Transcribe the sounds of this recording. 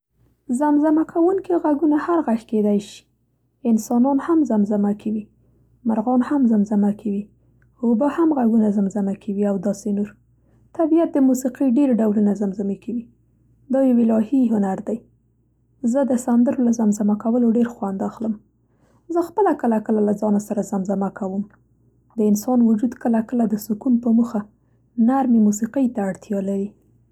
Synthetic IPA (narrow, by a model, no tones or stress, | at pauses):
zamzamakʰawuŋkiɣaɡunahaɾɣaxked̪ajʃi̥ | ɪnsɑnɑnhamzamzamakʰawi | maɾɣɑnhamzamzamakʰawi | hobəhamɣaɡunazamzamakʰawiawd̪ɑsenoɾ | t̪abijat̪̚d̪əmusiqiɖeɾɖawlunazamzamikʰawi | d̪ɑjawɪlɑhiɦʊnaɾd̪aj | zəd̪əsand̪əɾolazamzamakawəloɖeɾxwand̪axləm | zəxpəlakəlakəlalazɑnasaɾazamzamakawəm | d̪əɪnsɑnwʊd͡ʒud̪kəlakəlad̪əsʊkunpəmuxa | naɾmemusiqəjt̪aːɽt̪jɑlaɾi